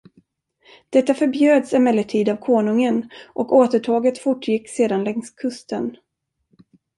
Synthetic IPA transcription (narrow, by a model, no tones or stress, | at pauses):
d̪̥ɛt̪ːafœɾbjøːd̪sɛmɛlːəʈʰiːd̪avkʰoːɳɵŋənʔɔkoːt̪əʈʰɑːɡət̪fʊʈʰːjɪkːseːd̪anlɛŋskʰɵst̪ən